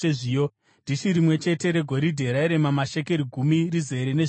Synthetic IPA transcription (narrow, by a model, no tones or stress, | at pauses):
eʐijo | ndʱiʃiɾimwe̞t͡ʃe̞te̞ɾe̞ɡʱo̞ɾidʱe̞ɾaiɾe̞mamaʃe̞ke̞ɾiɡʱumirize̞ɾene̞